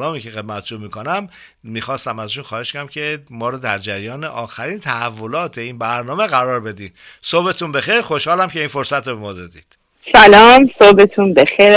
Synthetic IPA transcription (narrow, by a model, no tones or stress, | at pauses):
lɒːmiːcʰexe̞d̪̚mæt̪ʰd͡ʒuːmiːkʰonæmː | iːxɒːst̪æmæzʃunxɒːheʃkonæmcʰemɒːɾɔːd̪æɾd͡ʒæɾijɒːneʔɒːxæɾiːnt̪ʰæævːo̞lɒːt̪ʰe̞iːnbæɾnɒːme̞ɣæɾɒːɾbe̞d̪iːn | sobe̞t̪ʰuːnbe̞xejɾxo̞ʃhɒːlæmcʰe̞iːnfo̞ɾsæt̪ɾobemɒːd̪ed̪ḭːd̪̥ | sælɒːmsoːbet̪ʰũːnbexeɾ